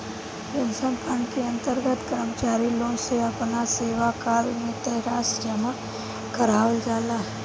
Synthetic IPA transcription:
ɾɐnsəmpʰãɳɖkeɐ̃nt̪əɾɡət̪kəɾmət͡ʃaːɾiloːnseɐpnaseːʋakaːlmẽt̪ɐɾaːsd͡ʒəma | kəɾaːʋəld͡ʒaːlaɦ

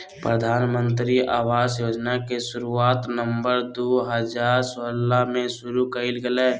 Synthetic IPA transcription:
pɾəd̪ʱaːnmə̃nt̪ɾiaːwaːsjoːd͡ʒnakeʃʊɾuaːt̪nəmbəɾd̪oɦəd͡ʒaːɾsəlːamẽʃʊɾukəɪlɡəleː

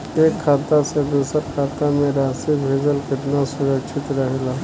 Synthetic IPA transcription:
ekʰːat̪ased̪usəɾkʰat̪amẽɾasibʱed͡zəlkɪt̪nasuɾəkʃʰit̪ɾəɦela

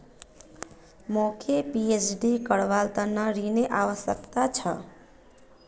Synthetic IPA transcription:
mokʰepiesɖikəɽʋalt̪ənəɾineʔaʋəsjə̰kt̪at͡ʃʰʌ̰

